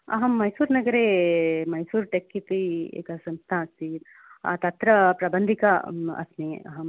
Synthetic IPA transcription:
ɐ̰ɦɐmːɐjsuːɾnɐɡɐɾeːmɐjsuːɾʈekːit̪iḛːkɐsɐmst̪ʰaːɐst̪i | a̰t̪ɐt̪ɾɐpɾɐbɐnd̪ʱikɐɐ̰sneɐ̰ɦɐm

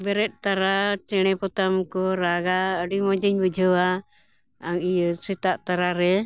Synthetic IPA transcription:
bɛɾɛt̪̚ˀt̪aɾat͡ʃɛɽ̃ɛpɔt̪amkɔɾaɡaəɖimɔd͡ʒiɲbəd͡ʒʱəwa | aŋijsit̪aʔt̪aɾaɾɛ

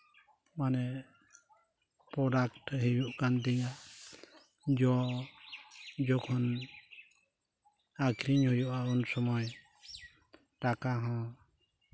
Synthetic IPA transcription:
manɛ | pɾɔɖakʈɦejuʔkand̪iŋaʔ | d͡ʒɔ | d͡ʒɔkʰɔn | akʰɾiɲhujuʔaunsɔmɔj | ʈakaɦɔ̃

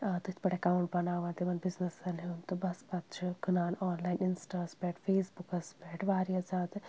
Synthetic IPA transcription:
t̪ɨt̪ʰʲpɐʈekaːwuɳʈbɐnaːʋaːnt̪iʋɐnbiznɐsɐliunt̪ubɐspɐt̪t͡ʃʰɨkɨnaːlaːnlaːjninsʈaːspeːʈfeːsbukɐspeːʈʋaːɾjɐzaːt̪

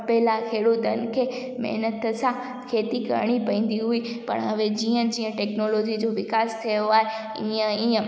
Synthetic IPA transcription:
peːlakʰeːɽod̪ɐn̆kʰeː | mɐ̰ɦnət̪əsã | kʰeːt̪ikɐ̰ɾɽ̃ipɐĩːn̆d̪iɦui | pɐ̰ɽ̃ɐʋed͡ʑiːə̃d͡ʑĩːə̃ʈeːknoːloːd͡ʑid͡ʑoʋɪkaːst̪ʰijoaːɦe | iːə̃iːə̃

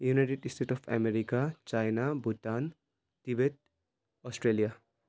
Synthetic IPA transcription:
junajʈeɖisʈʰeʈɔpʰɛ̰meɾikat͡ʃajnabutːan | t̪ibeʈ̚ | ɔsʈɾelija

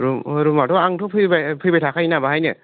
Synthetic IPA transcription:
ɾuɯɾumatʰɔaŋtʰɔpʰɯbapʰɯbajtʰakʰajnabaɦajnɯ

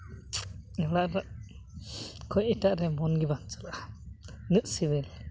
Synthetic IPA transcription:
ɛɽaʔɾ | kʰɔjitaʔɾɛmɔnɡibant͡ʃala | nɨʔsiβil

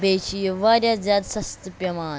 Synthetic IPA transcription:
beːt͡ʃijʋaːɾʲjaːzʲjaːd̪sɐst̪ɐpjɐmaː

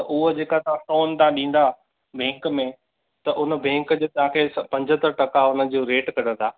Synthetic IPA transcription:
ɐʔʊɦod͡ʑeːkat̪ɐʋ̤ãfoːnt̪aãɗĩːn̆d̪a | bʱẽːŋkmẽ | t̪ɐʔʊnəbʱẽːŋkd͡ʑoːt̪ɐʋ̤ãkʰeːspɐ̃ɲd͡ʑʱət̪əɾʈɐkaʊnə̆d͡ʑoːɾeːʈkɐɽ̤ə̃t̪ʰaː

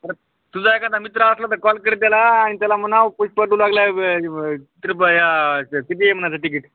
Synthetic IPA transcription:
t̪əɾ | t̪ud͡zaekãt̪amit̪ɾaəslat̪əɾkɔlkəɾet̪̚jalaːɽ̃it̪jalam̤ənaʋpuɕpaʈulaɡlae | it̪ɾəbəjakit̪̬iem̤ənat͡saʈik̬iʈ

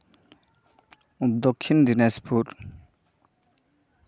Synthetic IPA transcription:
d̪ɔkʰːind̪inɛspʰuɾ

